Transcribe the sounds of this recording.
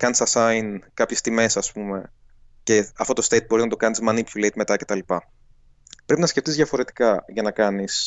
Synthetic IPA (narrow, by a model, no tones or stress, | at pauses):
kɐnisɐsɐjnkɐpçe̞st̪ime̞sɐspume̞ | ce̞ɐft̪o̞t̪o̞st̪ejt̪̚boiznɐt̪o̞kɐnizmɐnipçulejt̪met̪ɐce̞t̪ɐlipɐ | pɾe̞pinɐsceft̪izðjɐfo̞ɾe̞t̪i̥kɐʝɐnɐkɐnis